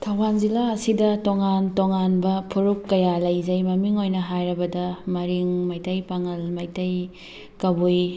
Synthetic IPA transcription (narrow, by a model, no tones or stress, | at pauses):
tʰɐwbanzilaɐsidɐtoŋantoŋanbɐpʰuɾukːɐjalɐjzɐjmɐmiŋojnɐɦajɾɐbɐdɐmɐɾiŋmajtɐjpaŋɐlmajtɐj | kɐbuj